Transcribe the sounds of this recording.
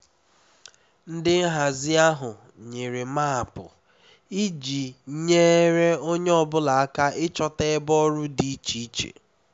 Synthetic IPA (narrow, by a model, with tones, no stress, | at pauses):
n̩˦dɪ˦n̩˦ɦa˨zɪ˦a˦ɦʊ˨ | ɲe˨ɾe˨ma˦a˨pʊ̰˨ | i˦d͡ʒi˨ɲeː˦ɾe˦o˦ɲe˦ɔ˦bʊ˦la˨a˦ka˦ʔɪ˦t͡ʃɔ˦te˦bɔ˦ɾʊ˦di˨i˦t͡ʃi˦i˦t͡ʃḛ˨